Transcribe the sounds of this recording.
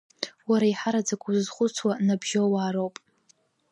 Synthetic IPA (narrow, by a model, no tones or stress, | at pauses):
waɾaiħaɾad͡zakʷʼuzzχʷʊt͡sʰwanabʒowaːɾowpʼ